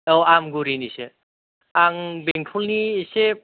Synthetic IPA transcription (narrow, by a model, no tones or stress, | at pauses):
ɔwamɡuɾinise | aŋbeŋtʰulnisep̚